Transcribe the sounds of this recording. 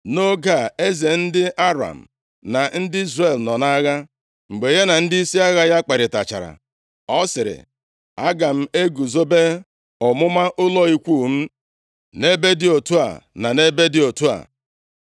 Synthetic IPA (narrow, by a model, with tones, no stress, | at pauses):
no˦ɡa˦˨e˦ze˨n̩˦dɪ˦ʔa˦ɾa̰˨m̩˨ | na˨n̩˦dɪ˦i˦zre˨lnɔ˨na˦ɣa˦ | ŋ͡m̩˨ɡ͡be˨je˦na˨n̩˦dɪ˦i˦si˦a˦ɣa˦ja˦k͡pe˨ɾɪ˨ta̰˨t͡ʃa̰˨ɾa̰˨ | ɔ˦sɪ˨ɾɪ̰˨ | a˦ɡa˨m̩˦e˦ɡu˨zo˦be˦ | ɔ˨mʊ˦ma˦ʔʊ˦lɔ˦i˦kʷu˦˨m̩˦ | ne˦be˦dɪ˦o˨tu˦a̰˨na˨ne˦be˦dɪ˦o˨tu˦a̰˨